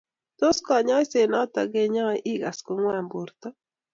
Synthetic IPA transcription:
t̪o˦skɔ˨ɲɔ˦se˨nɔ˦t̪ɔ˨ɡe˦ɲɔ˦ʔi˦ɡa˨sko˨ŋwa˨mbo˨ɾt̪ɔ˦

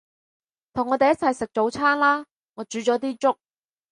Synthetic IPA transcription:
t̪ʰʊ˨˩ŋɔ˨˧e˨jɐ˥t̚t͡sʰɐ˨jsɪ˨k̚t͡ʃo˨˥wt͡sʰaː˥nlaː˥ | ŋɔː˨˧t͡ʃyː˨˧˥t͡ʃɔː˨˥t̪iː˥t͡sʊ˥k̚

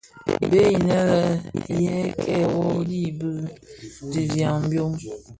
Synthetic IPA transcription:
be˦i˨nɛ˦lə˦jɛ˦kʰɛ˦˨wɔ˦li˦˨bə˦di˨vja˨ŋ˨bjo˦m

